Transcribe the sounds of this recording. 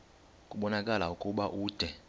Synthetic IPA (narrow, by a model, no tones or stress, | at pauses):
kʼuɓɔnakʼalaukʼuɓaʔuːd̥ʱɛ